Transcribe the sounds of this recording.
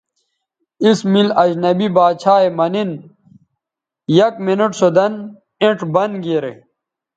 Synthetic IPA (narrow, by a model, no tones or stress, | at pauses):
ismilɐd͡ʑnɐbibaːt͡ɕʰaːemɐnin | jɐkminuʈsod̪ɐn | ẽʈbɐnɡeːɾḛ